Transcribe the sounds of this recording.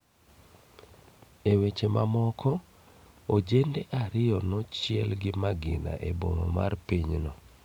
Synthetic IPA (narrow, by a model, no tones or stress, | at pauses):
ewet͡ʃemamɔkʰɔ | od͡ʒendeʔaɾɪjɔnɔt͡ʃɪɛlɡɪmaɡɪ̰na̰ʔeboŋo̰ma̰rpiɲnɔ